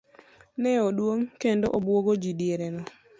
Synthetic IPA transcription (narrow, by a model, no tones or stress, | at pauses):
nɛodwoŋkendoʔobwoɡod͡ʒidieɾɛnɔ